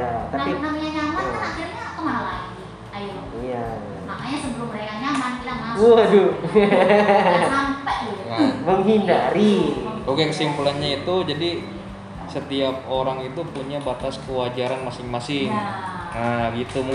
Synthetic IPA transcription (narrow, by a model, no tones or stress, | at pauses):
at̪aainamaɲaɲamankanaxiɾaɲaat̪oŋanalaɡi | aj | ija | makaɲasəbəlʊmreaɲamanbilamauado | ɦampaʔɡiaməŋɦindaɾioɡakəsimpulanɲait̪ud͡ʒadi | sət̪iap̚oɾaŋit̪upuɲabat̪askəwad͡ʒaɾanmasɪŋmasɪŋ | əɡit̪u